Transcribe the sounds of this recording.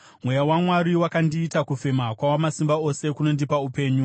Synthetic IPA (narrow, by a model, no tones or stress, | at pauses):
mwe̞jawamwaɾiwakandiːtakufe̞makwawamasimbao̞se̞kuno̞ndipaupe̞ːɲu